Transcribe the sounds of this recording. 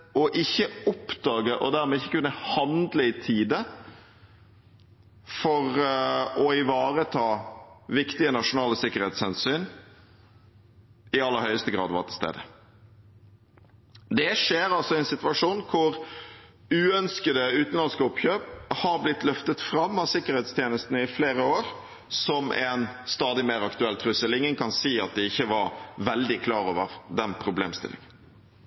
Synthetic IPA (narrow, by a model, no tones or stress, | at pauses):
ɔʔɪçːəɔpd̪ɑːɡəʔɔ̰d̪æɾmɛːɪçːəkʉnːəhɑnd̪ləɪt̪ʰiːd̪ə | fɔʁɔɪʋɑːɾət̪ʰɑːʋɪkt̪ɪənɑʂʊnɑːləsɪkːəɾhɛːt̪shɛnsyːn | ɪɑlːəɾhœʏəst̪əɡʁɑ̰ːd̪ʋɑ̰ʁt̪ʰɪlst̪ḛːd̪ə | d̪ɛʂeːɾɑlsɔɛɪnsɪt̪ʋɑʂuːnkʰʊɾ | ʉːœnskəd̪əʉːt̪n̩lɑnskəʊpçøːphɑɾblɪt̪lœft̪ət̪fɾɑmːɑʋsɪkːəɾɛt̪st̪ʰjeːnəst̪nəɪfleːɾəoːɾ | sɔmʔɛnst̪ɑːd̪ɪmeːɾɑkt̪ʉɛlt̪ʰɾʉsəlɪŋənkʰɑnsiːɑt̪̚d̪ɛɪçːəʋɑɾʋɛld̪ɪkʰlɑːɾoːʋəɾd̪ɛnpʰɾʊbleːmst̪ɪ̰lɪ̰ŋən